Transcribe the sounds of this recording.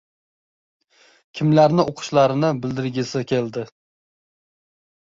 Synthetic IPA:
kʲʰɪmlaɾnɪʔoqʰʊ̥ʃlaɾɪnɪbɪld̪ɪɾɡʲɪsɪkʲʰe̞ld̪ɪ

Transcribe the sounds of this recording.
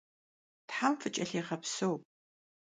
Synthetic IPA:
tħamfɨt͡ʃʼɐɬiːʁɐpsɐwp

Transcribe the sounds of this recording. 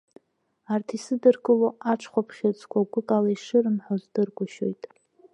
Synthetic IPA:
artʰisɨdɨrkʼɨloaʈ͡ʂʰχʷapʰχʲat͡sʼkʷʰaɡʷʊkʼalaiʂɨrɨmħozdɨrɡʷʼʊʃo̞̰jtʼ

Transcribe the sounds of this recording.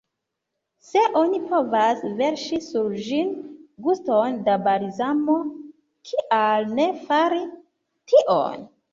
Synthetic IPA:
se̞ʔo̞nipo̞vasve̞ɾʃisuɾd͡ʒinɡustondabaɾizamo̞ | kʰiʔalne̞faɾi | tiʔo̰n

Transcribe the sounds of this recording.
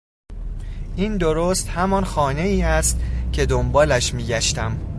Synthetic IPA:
ʔiːnd̪oɾoːst̪hæmɒnxɒːne̞iːæst̪cʰe̞d̪ombɒːlæʃmiːɟæʃt̪æm

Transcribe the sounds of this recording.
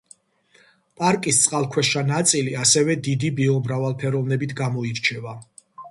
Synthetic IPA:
pʼaɾkʼist̪sʼqʼalˠkʰwɛʃanat̪sʼiliasɛvɛd̪id̪ibiɔmɾavalˠpʰɛɾɔvnɛbit̪ʰɡamɔiɾt͡ʃʰɛva

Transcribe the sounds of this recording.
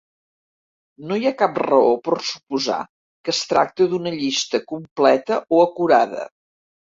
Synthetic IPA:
nojakap̚rəopərsu̥puza̰ | kəst̪ɾa̰k̚t̪əðunəʎist̪əkumplɛt̪əʔoəkuɾað̞ə̰

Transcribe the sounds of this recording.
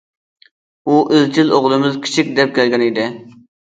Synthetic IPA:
uʔɪzt͡ʃʰiloʁlˠɨmɪzkʲʰi̥t͡ʃʰik̚ʲd̪ɛp̚kʲɛlɡʲɛnid̪ɪ

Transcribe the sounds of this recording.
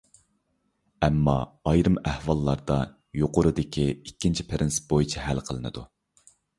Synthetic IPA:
ɛmːɑ̰ːjɾɨmæhwɑlˠːɑɾd̪ɑ | joqʊɾɨd̪ɪkʲʰiikʲːint͡ʃʰi̥pʰeɾɪnsbojit͡ʃʰɛɦælqʰəlˠɨnɨ̰d̪u

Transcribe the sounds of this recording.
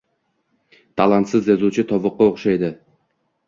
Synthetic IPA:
t̪ʰalˠant̪sɪzjazut͡ʃʰɪt̪ʰɒvʊqːɑoχʃajd̪ɪ

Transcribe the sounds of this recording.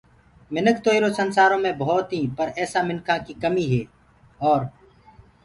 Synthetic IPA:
mɪnəkt̪oːiɾoːsənsaːɾõːmẽːboːt̪ĩːpəɾɛːsaːmɪnkʰãːkiːkəmiːɦeː | ɔːɾ

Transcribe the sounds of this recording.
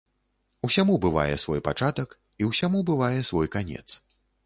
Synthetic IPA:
usʲamubɨva̰jɛ̰svɔjpat͡ʂat̪ɐk | iwsʲamubɨvajɛsvɔjkanʲɛ̰t̪s

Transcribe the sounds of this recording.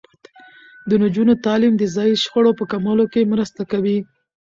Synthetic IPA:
d̪ənad͡ʒunot̪ɑlimd̪əzɑjiʃxəɽopəkamɑlokemɾəst̪akawi

